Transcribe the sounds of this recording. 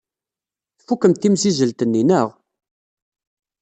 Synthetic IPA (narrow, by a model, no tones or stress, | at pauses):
θfukːəmt̪ːimsizəlt̪ənːinəʁ